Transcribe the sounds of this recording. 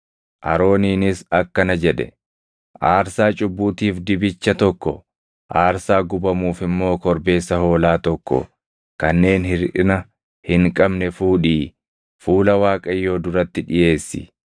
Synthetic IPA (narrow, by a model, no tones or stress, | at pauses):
ʔɐ̰ɾo̞ːniːnɪsɐkːɐnɐd͡ʒɛᶑɛ̰ | ʔaːɾsaːt͡ʃʼʊbːuːt̪iːfd̪ɪbɪt͡ʃːɐt̪ɔkːɔ | ʔaːɾsaːɡʊbɐmuːfɪmːo̞ːkɔɾbe̞ːsːɐho̞ːlaːt̪ɔkːɔ̰ | kɐnːe̞ːnhɪɾᶑɪnɐ | hɪŋkʼɐbnɛfuːᶑiː | fuːlɐwaːkʼɐjːo̞ːd̪ʊɾɐt̪ːɪᶑɪje̞ːsːɪ̰